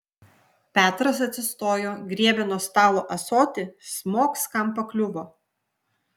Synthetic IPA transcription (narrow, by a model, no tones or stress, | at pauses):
pʲæːt̪ɾɐs̬ɐt̪ʲsʲɪst̪oːjoːɡɾʲiɛbʲɛnoːst̪ɑːlˠoːʔɐsoːt̪ʲɪsmoːkskɐmpɐklʲʊboː